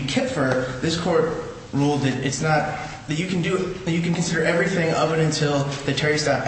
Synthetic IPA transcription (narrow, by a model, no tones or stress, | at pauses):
kʰɪtfə˞ðɪskʰɔɹt̚ | ɹulˠd̪̚ðɨɾɨtsnət̪̚ | ðɨt͡ʃɨkʰn̩dɨðɨt͡ʃɨkɨ̃n̩kɨ̃nsɪɾə˞ʔɛvɹiθɪ̃ŋʌvɨɾɨ̃ntʰɪlˠðɨtʰɛɹistɑp